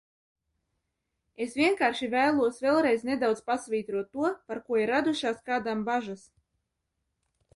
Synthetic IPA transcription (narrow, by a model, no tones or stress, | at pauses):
esvʲiɛŋkaːɾʃivæːlˠuɔsvʲɛlˠɾɛjzned̪awd̪zpasvʲiːt̪ɾuɔt̪ːuɔpaɾkuɔiɾad̪uʃaːskaːd̪ambaʒas